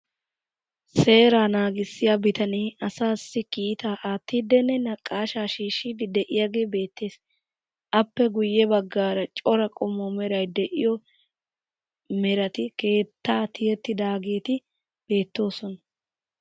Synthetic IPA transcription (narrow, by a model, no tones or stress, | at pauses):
se̞ːɾaːnaːɡɪsːɪjabɪt̪ɐniːɐsaːsːɪkiːt̪aːʔaːt̪ːiːd̪ːɛnːɛnɐkʼːaːʃaːʃiːʃiːd̪ɪd̪ɛʔɪjaːɡe̞ːbe̞ːt̪ːe̞ːs | ʔɐpːɛɡʊjːɛbɐɡːaːɾɐt͡ʃʼɔɾɐkʼɔmːɔmɛɾɐjd̪ɛʔɪjɔ | mɛɾɐt̪ɪke̞ːt̪ːaːt̪ʰɪjɛt̪ːɪd̪aːɡe̞ːt̪ɪ | b̥e̞ːt̪ːo̞ːsɔnɐ